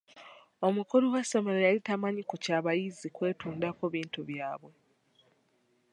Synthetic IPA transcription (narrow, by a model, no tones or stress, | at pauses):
o̞mukuluwaso̞me̞ɾojalitamaɲikucaːβajizikwe̞ːtuːndakoβiːntuβjaːβwe̞